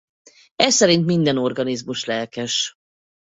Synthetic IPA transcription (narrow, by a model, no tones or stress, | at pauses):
ɛsɛɾint̪mind̪ɛno̞rɡɒnizmuʃlɛlkɛʃ